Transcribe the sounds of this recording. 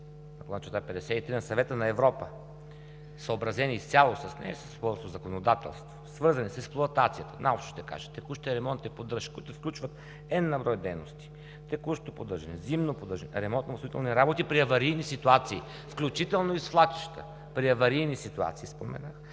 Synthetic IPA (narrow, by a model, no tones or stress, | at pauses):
ɐkolˠat͡ʃɛt̪apɛd̪ɛsɛit̪ɾinɐsɐvɛt̪ənɐɛvɾɔpə | səobɾɐzɛnʲist̪ʲjalˠosɐsnɛ̰ɛsəspɔɾosozɐkonod̪at̪ɛ̰lˠst̪vosvɤɾzɐnisɛksplˠoɐt̪at̪sijət̪ə̥nalˠʃʃt̪ɛka̰ʒɛ̥t̪ɛkuʃt̪ɛɾɛmɔnt̪nɛpod̪əʃkuit̪ʊfklʲut͡ʃvət̪ | ɛd̪nɐbɾɔjd̪ɛjnost̪i̥ | t̪ɛkuʃt̪opod̪əɾʒɛnɛzimnopod̪əɾʒɛnɛ̰ɾɛmɔnt̪nosit̪ɛlˠniɾabot̪ipɾiɐvɐɾijnisit̪uat̪siː | fklʲut͡ʃit̪ɛlˠnoisflˠat̪i̥ʃt̪ə̰ | pɾiɐvɐɾijnisit̪ua̰t̪siːspomɛ̰nax